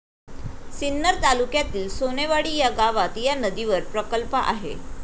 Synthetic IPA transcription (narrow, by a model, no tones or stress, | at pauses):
sinːəɾt̪alukjat̪iːlsoneʋaɽiːjaɡaʋat̪janəd̪iʋəɾpɾəkəlpəʔaɦḛ